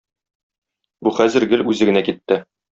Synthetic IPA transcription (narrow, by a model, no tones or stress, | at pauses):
buχæzɘ̆ɾɡɘlʉzɘ̆ɡɘ̆nækit̪ːɘ